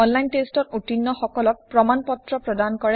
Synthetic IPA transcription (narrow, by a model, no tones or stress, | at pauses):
ɔnlajntestɔtutinːɔxɔkɔlɔk̚pɹɔmanpɔtɹɔpɹɔdankɔɹɛ